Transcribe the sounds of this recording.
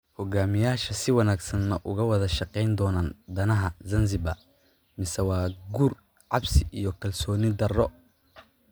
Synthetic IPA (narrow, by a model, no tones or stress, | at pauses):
hɔɡaːmɪjaːʃɐsɪwɐnaːɡsɐnːɐʔʊɣɐwɐðɐʃɑqɛjnd̪ɔːnaːnd̪ɐnɐɦɐzɐnzɪbɐ̰ | mɪsɛwɑːɡuːr | ʕɑbsɪʔijɔkʰɐlsɔːnɪd̪ɐrɔ